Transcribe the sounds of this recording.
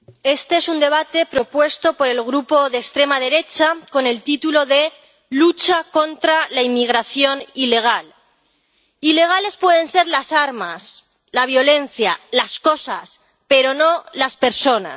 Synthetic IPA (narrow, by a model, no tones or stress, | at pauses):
e̞st̪eesund̪e̞β̞at̪e̞pɾo̞pwe̞st̪o̞po̞ɾe̞lɣɾupoðekst̪ɾe̞maðe̞ɾe̞t͡ʃako̞ne̞lt̪it̪ulo̞ðe̞ | lut͡ʃako̞nt̪ɾalaimiɣ̞ɾaθjo̞nile̞ɣ̞al | ile̞ɣ̞ale̞spwe̞ðe̞nse̞ɾlasaɾmas | laβ̞jo̞le̞n̟θjalasko̞sas | pe̞ɾo̞no̞laspe̞ɾso̞na̰